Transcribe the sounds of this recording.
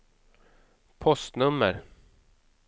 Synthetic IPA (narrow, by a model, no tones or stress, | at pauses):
pʰɔst̪nɵmːəɾ